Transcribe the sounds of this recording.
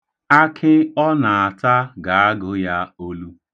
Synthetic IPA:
a˦kʰɪ˦ɔ˦na˨a˨ta˦ɡa˨a˦ɡʊ˦ja˦o˦lu˦

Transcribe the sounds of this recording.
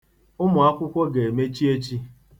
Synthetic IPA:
ʊ˦mʊ˨a˦kʷʊ˦kʷo˦ɡe˨e˨me˦t͡ʃi˦e˦t͡ʃi˦

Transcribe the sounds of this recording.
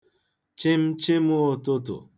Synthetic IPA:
t͡ʃɪ˦m̩˦t͡ʃɪ˦m˦o˦˨tʊ˦tʊ̰˨

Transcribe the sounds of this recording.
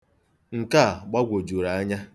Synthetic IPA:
ŋ̩˨ka˦˨ɡ͡ba˦ɡʷo˨d͡ʒu˨ɾa˨a˦ɲa˦

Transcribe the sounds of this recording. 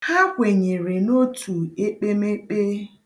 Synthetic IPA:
ha˦kʷe˨ɲe˨ɾe˨no˦tʰu˨e˦k͡pe˦me˦k͡pe˦

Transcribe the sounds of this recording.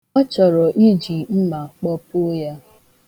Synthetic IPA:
ɔ˦t͡ʃɔ˨ɾɔ˨ʔi˦d͡ʒi˨m̩˦ma˨k͡pɔ˦pʊ˦ja˦

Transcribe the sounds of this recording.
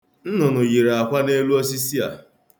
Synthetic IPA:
n̩˦nʊ˨nʊ˨ɣi˨ɾe˨a˨kʷa˦ne˦lu˦o˦s̬i˦si˦a̰˨

